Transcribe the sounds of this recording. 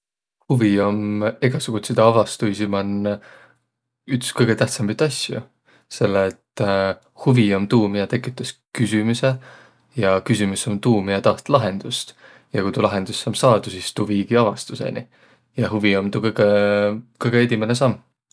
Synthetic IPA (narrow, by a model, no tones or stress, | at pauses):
huvio̞meɡ̥ɑsuɡ̥ut̪sid̪ɑɑvɑst̪ujsimɑnː | ykskɤjɡ̥e̞t̪æht̪sɑmit̪ːˑɑsʲjṵ | se̞lːeːt̪ː | huvio̞mt̪uːmijɑt̪e̞kːˑit̪ːˑɑskysymuse | jɑkysʲimuso̞mt̪uːmiɑt̪ɑht̪lɑɦe̞nd̪̥ust̪ | jɑkujt̪ulɑɦe̞nd̪̥usːɑmsɑːd̪usist̪uviːɡiɑvɑst̪use̞̰nḭ | jɑɦuvio̞mt̪ukɤjɡ̥ekɤjɡeed̪ʲimenesɑmː